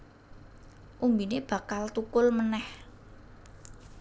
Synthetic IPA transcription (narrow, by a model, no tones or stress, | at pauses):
ʔumbineb̥a̤kalt̪ukʊlmənɛh